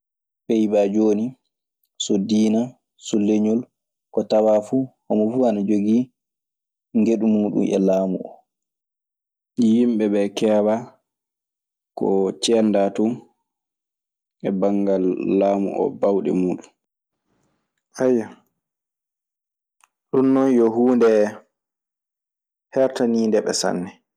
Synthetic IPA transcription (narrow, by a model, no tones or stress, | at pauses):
pejbad͡ʒoːni | sodiːna | suleɲɔl | kɔtawaːfuhɔmɔfuanad͡ʒoɡi | ŋɡeɗumuːɗṵnɛ̰laːmuʔɔ̰ | jimɓɛbɛkɛːba | kɔ̰t͡ʃɛndatu | ʔɛbaŋɡalːaːmṵʔɔ̰bawɗɛ̰muːɗun | ajːa | ɗunːɔnjɔɦuːndɛ | hɛɾtaniːndɛɓɛ̰sa̰nːɛ